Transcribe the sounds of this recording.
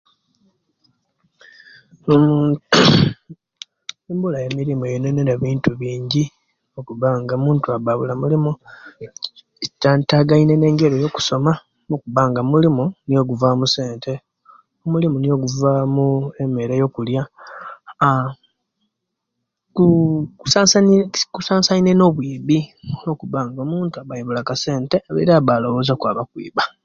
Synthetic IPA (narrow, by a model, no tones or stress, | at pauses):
om | embulajemiɾimojoneneɾaβiːntuβiːɲɟi | okuβaŋɡamuːntuaβaβulamulimu | etːantaɡaine̞ne̞ːŋɡe̞ɾejo̞ku̥so̞ma | mokuβaːŋɡamulimunijo̞ɡuvamuse̞ːntʰe̞ | omulimunijo̞ɡuvamuemeɾejo̞kulja | kuksakusaːsaineno̞βwiːβio̞kuβaːŋɡoːmuːntuaβajiβulakase̞ːnte̞aβḛɾaβaːlo̞βo̞ːzokwaːβakwḭːβa